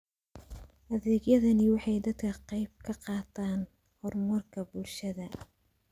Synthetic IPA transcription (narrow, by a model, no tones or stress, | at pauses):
ʔɐðɛːɡjɐðɐnɪwɑħɑjd̪ɐd̪kʰɐqɑjb̚kʰɐqɑːt̪ʰaːn | hɔrmɐrkʰɐbulʃɐðɐ